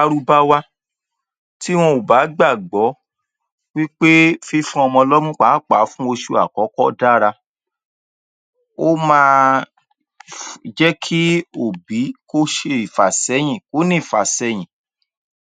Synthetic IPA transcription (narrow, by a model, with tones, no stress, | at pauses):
a˧ɾu˧ba˦wa˧ | ti˦w̃ɔ̃˧o˨ba˨˦ɡ͡ba˦˨ɡ͡bɔ˨˦ | wi˦k͡pe˦fi˦fũ˦ɔ˧mɔ̃˧lɔ˦mũ˦k͡pa˨˦˨k͡pa˨˦fũ˦o˧ʃu˧a˨kɔ˨˦kɔ˦da˦˨ɾa˧ | o˦mãː˦˧ | d͡ʒɛ˦kʰi˦o˦˨bi˨˦ko˦ʃe˧i˨fa˨sɛ˨˦j̃ĩ˨ko˦nĩ˦˨fa˨sɛ˧j̃ĩ˨